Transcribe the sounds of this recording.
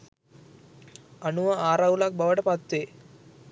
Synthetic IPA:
ɐnuʋaaːɾaːʋulaːk̚bɐʋɐʈɐpaːt̪ːeː

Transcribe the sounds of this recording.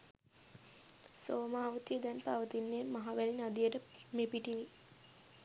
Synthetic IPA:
soːmaːʋut̪ijəd̪ɛnpaʋət̪inːeːmaɦaʋælinad̪ijəʈəmepiʈini

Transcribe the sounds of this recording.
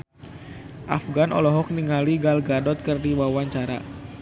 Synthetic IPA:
ʔa̰fɡanʔɔ̰lɔɦɔk̚niŋaliɡalɡadɔt̪̚kɨrdiwawaɲt͡ʃaɾa̰

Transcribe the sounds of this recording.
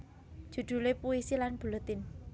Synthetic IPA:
d̥ʒ̥ṳd̪̥ṳlepuisilanb̥ṳlut̪ɪn

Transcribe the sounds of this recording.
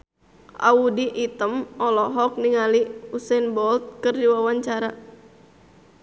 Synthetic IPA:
ʔa̰udiʔːt̪əmɔlɔɦɔk̚niŋaliusɛnbɔlt̪̚kɨrdiwawaɲt͡ʃaɾa

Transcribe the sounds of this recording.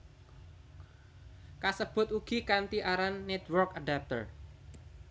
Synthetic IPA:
kasəb̥ʊ̤t̪uɡ̥ikant̪iʔaɾanːɛt̪wərkaɖap̚t̪ər

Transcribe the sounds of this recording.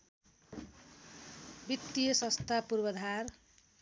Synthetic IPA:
bit̪ːijʌsʌst̪ʰapurbʌd̪ʱar

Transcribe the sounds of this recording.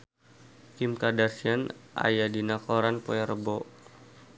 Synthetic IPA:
kimkadarsianʔa̰jadinakɔɾanpɔɛɾəbɔ

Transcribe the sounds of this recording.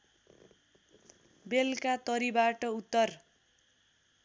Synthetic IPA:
belkat̪ʌɾibaʈʌut̪ːʌr

